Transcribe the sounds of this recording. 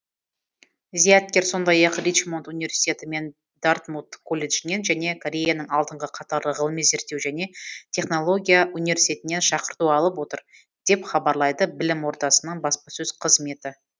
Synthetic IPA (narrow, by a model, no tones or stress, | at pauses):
zijat̪̚kʲe̞ɾso̞nd̪ɑjɑqrij̪t͡ʃmo̞nt̪univʲe̞ɾsi̥t̪ʲe̞t̪ɪme̞n | d̪̥art̪mut̪kʰo̞lʲeʒɪne̞nʒæne̞kʰo̞ɾʲe̞janəɴɑlˠd̪əɴʁəqʰɑt̪ɑɾlˠəʁəlˠmeze̞ɾt̪ːe̞wʒæne̞t̪ʲʰe̞χno̞lˠo̞ɡʲijaʔunivʲe̞ɾsit̪e̞t̪ɪnːe̞nʃɑqəɾt̪uɑlˠəpwo̞t̪əɾ | d̪̥e̞pχɑbɑɾlˠɑjd̪əbɪlɪmwo̞ɾt̪ɑsənəɴbɑspɑsɵz̥qʰəzme̞t̪ɪ